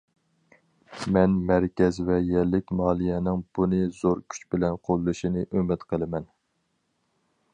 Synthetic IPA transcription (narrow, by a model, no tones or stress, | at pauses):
mɛnmæɾkʲɛzvɛjɛlːɪkʲmɑːlˠijɛnɪŋb̥unɨzoɾkʲʰy̥t͡ʃbɪlɛnqʰolˠːɨʃinɨʔømɪt̪qʰəlˠɨmɛn